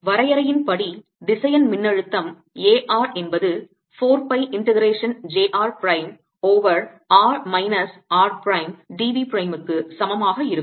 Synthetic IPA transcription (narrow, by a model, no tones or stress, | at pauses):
ʋɐɾɐjɐɾɐjɪnpɐɽi | d̪ɪsɐjɐnmɪnːɐɻɯt̪ːɐm | eːʔaːɾɛnbɐðɯ | foːɾpɐɪʔɪɳʈɐɣɾeːʂɐnd͡ʒeːʔaːɾpɪɾɐɪm | oːʋɐɾ | aːɾmɐɪnɐsaːɾpɪɾɐɪmɖiːʋiːpɾɐɪmɯkːɯsɐmɐmaːɣɐɪɾɯ